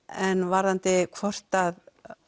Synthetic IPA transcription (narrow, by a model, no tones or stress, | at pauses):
ɛnvaɾant̪ɪkʰvɔr̥t̪að